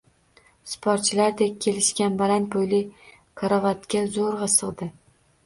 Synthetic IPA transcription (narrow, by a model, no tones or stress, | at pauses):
spʰoɾt̪̚t͡ʃʰɪlaɾd̪ek̚ʲʰːe̞lɪʃkʲanbalant̪̚bojlɪ | kʰaɾavat̪kʲazoɾʁɑsɨʁd̪ɪ